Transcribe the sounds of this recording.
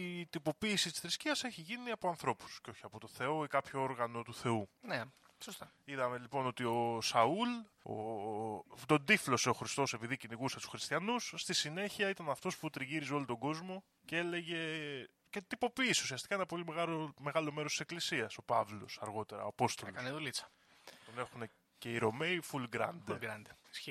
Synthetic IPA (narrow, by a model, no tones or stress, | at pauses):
it̪ipo̞piːsit̪i̥sθɾisciɐse̞çiʝiniɐpo̞ɐnθɾo̞pu̥sceo̞çiɐpo̞t̪o̞θe̞o̞ikɐpço̞o̞ɾɣɐno̞t̪uθe̞une | sost̪ɐ | iðɐme̞lipo̞not̪io̞sɐul | o̰ | t̪o̞nd̪iflo̞se̞o̞xɾist̪o̞se̞piðiciniɣuset̪u̥sxɾist̪çɐnusst̪isine̞çiɐit̪ɐnɐft̪o̞sput̪ɾiʝiɾizeo̞lot̪o̞ɡo̞zmo̞ | cee̞le̞ʝe̞ | ce̞t̪ipo̞piːseusiɐst̪ikɐenɐpo̞limeɣɐɾome̞ɣɐlo̞meɾost̪i̥sklisiɐso̞pɐvlo̞̰sɐɾɣo̞t̪e̞ɾɐ̰ɐpo̞st̪o̞lloɐneðolit͡sɐ̥ | t̪one̞xune̞ | ce̞iɾo̞me̞ifulɡɾɐ̰nd̪ɡɾɐnd̪